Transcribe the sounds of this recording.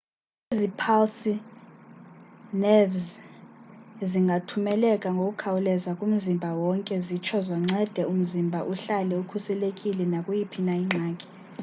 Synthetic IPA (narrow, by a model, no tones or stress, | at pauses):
ezipʰalsʰi | nɛvz | ziŋɡʱatʰumɛlɛkʼaŋɡʱok̬ʼukʰawulɛzakʼum̩zimbʱawɔŋkʼɛzit͡ʃʰɔzɔŋ͡ǁʱɛd̥ʱɛum̩zimbʱaʔuɬalɛukʰusɛlekʼilɛnakʼujipʰinaiŋ͡ǁʱaːkʼɛ̥